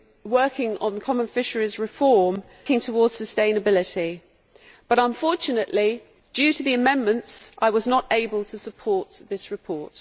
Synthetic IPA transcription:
wɜˑkʰɪ̃ŋə̰̃nðəkʰɒmə̃nfɪʃəɹɪzɹɪfɔːm | kɪ̃ŋtʰəwɔːd̥səstẽɪ̃nəbɪlɪti | b̥ʌɾə̃ɱfɔˑt͡ʃənəʔli | djʉːtʰəðiəmɛ̃nmə̃ntsʔaɪwɒznəteɪbəlˠtʰəsəpʰɔˑʔðɪsɹɪpʰɔˑt

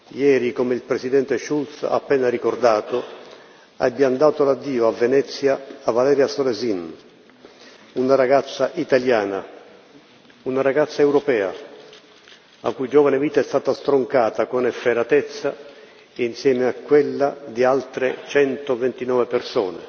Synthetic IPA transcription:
jɛːɾikomeilpɾesid̪ɛnt̪eʃult̪sa̰ːpːɛːnaɾikord̪aːt̪o | abːiand̪aːt̪olad̪ːiːoavːenɛt̪sːjaːvalɛːɾjasolɛzin | unaɾaɡat̪sːaʔit̪aljaːna | unaɾaɡat̪sːaewɾopɛːa̰ | a̰kːujd͡ʒoːvanɪviːt̪aɛst̪aːt̪ast̪ɾoŋkaːt̪akonɛfːeɾat̪ɛt̪sːa | insjɛːmeakːwelːad̪ialt̪ɾet͡ʃɛnt̪ovent̪inɔːvepersɔːnḛ

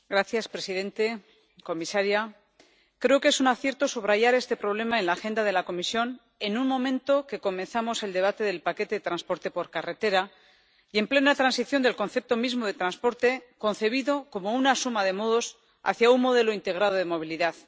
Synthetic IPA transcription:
ɡɾaθjaspɾe̞siðẽ̞nt̪e̞ | ko̞misaɾja | kɾe̞oke̞sunaθje̞ɾt̪o̞suβ̞ɾaʝaɾe̞st̪e̞pɾo̞β̞le̞maenlaxe̞nd̪að̞e̞lako̞misjo̞n | e̞nunmõ̞mẽ̞nt̪o̞ke̞ko̞mẽ̞nθamo̞se̞ld̪e̞β̞at̪e̞ðe̞lpake̞t̪eet̪ɾanspo̞ɾt̪e̞po̞ɾkare̞t̪e̞ɾa | ie̞mple̞nat̪ɾansiθjo̞nd̪e̞lko̞nθe̞p̚t̪o̞mizmo̞ðe̞t̪ɾanspo̞ɾt̪e̞ko̞nθe̞β̞iðo̞ko̞mo̞unasumaðe̞mo̞ðo̞s | a̰θjaunmo̞ð̞e̞lo̞int̪e̞ɣ̞ɾaðoð̞e̞mo̞β̞iliðað

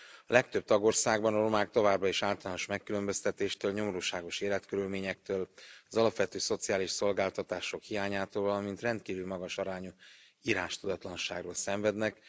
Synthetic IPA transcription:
ɒlɛkt̪øb̚t̪ɒɡo̞rsaːɡbɒnɒɾo̞maːk̚t̪o̞vaːbrɒeʃaːlt̪ɒlaːnoʃmɛkːylø̞mbø̞st̪ɛt̪eːʃt̪øːlɲo̞moɾuːʃaːɡoʃeːlɛt̪køɾylmeːɲɛk̚t̪øːlɒzɒlɒpʋɛt̪øːso̞t̪sijaːliʃso̞lɡaːlt̪ɒt̪aːʃo̞khijaːɲaːt̪oːlvɒlɒmint̪rɛnt̪kiːvylmɒɡɒʃɒɾaːɲu | iːɾaːʃt̪ud̪ɒt̪lɒnʃaːɡroːlsɛɱvɛd̪nɛk

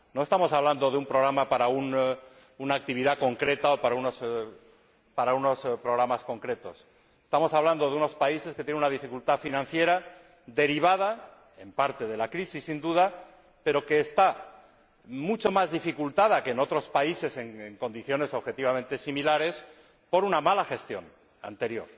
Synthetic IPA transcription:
noe̞st̪amo̞saβland̪o̞ðeumpɾoɣɾamapaɾaun | unaːk̚t̪iβ̞iðako̞ŋkɾe̞t̪aopaɾaunos | paɾauno̞spɾoɣɾamasko̞ŋkɾe̞t̪o̞s | e̥st̪amo̞saβland̪o̞ðeuno̞spaise̞sket̪jenunað̞ifikult̪afinãn̟θje̞ɾa | d̪e̞ɾiβ̞aða | e̞mpaɾt̪e̞ðe̞lakɾisisːind̪uð̞a | pe̞ɾo̞ke̞ːst̪a | mut͡ʃo̞mazðifikult̪að̞akeːno̞t̪ɾo̞spaise̞se̞ŋeŋko̞nd̪iθjo̞ne̞so̞βxe̞t̪iβ̞amẽ̞nt̪e̞similaɾe̞s | po̞ɾunamalaxe̞st̪jo̞̰n | a̰nt̪e̞ɾjo̞̰ɾ

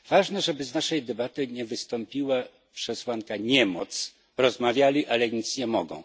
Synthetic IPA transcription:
v̥aʐnɛʐɛbɘznaʂɛjd̪ɛbat̪ɘɲɛvɘst̪ɔmpʲiwa | pʂɛswankaɲɛmɔt̪s | ɾɔzmavʲjalʲiʔalɛɲit̪sɲɛmɔɡɔ̰̃w̃

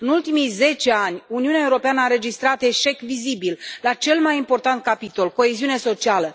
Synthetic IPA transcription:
ɨnult̪imijze̞t͡ʃeanʲuniuneaeuɾo̞peanəaɾe̞d͡ʒist̪ɾat̪e̞ʃe̞kvizibillat͡ʃe̞lmajimpo̞rt̪ant̪̚kapit̪o̞lko̞eziune̞so̞t͡ʃialə

